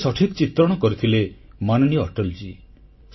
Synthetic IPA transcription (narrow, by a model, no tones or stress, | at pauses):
sɔʈʰikt͡ʃit̪ɾɔɽ̃ɔkɔɾut̪ʰilemanɔnijɔ̰ːʈɔld͡ʒi